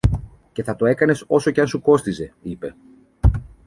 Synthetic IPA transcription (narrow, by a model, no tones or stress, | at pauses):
ce̞θɐt̪o̞e̞kɐne̞so̞so̞ceɐnsuko̞st̪ize̞ipe̞